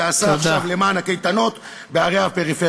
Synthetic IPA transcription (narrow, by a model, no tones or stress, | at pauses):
asaaχʃvle̞maːnhakejt̪ano̞t̪ | beaʁeapeʁife